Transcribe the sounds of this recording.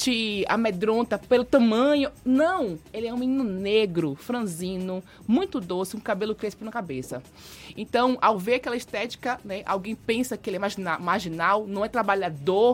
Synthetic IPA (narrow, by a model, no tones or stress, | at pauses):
t͡ʃɪa̰med̪ɾõnt̪ɐpelʊt̪ɐ̃mɐ̃ɲʊnɐ̃w̃elɪɛũmĩnĩnʊneɡɾʊfɾɐ̃zĩnʊ | mũj̃t̪ʊd̪osɪũkabelʊkɾesɪ̥pɾ̃nɐkabesɐ̰ | ḛ̃nt̪ɐ̃w̃ʔawveɾakɛlɐiʃt̪ɛt͡ʃi̥kɐnɛʔa̰wɡẽj̃pẽsɐkɪelɪɛmaʒinamaɾʒinawnɐ̃w̃ɛt̪ɾabaʎad̪oɾ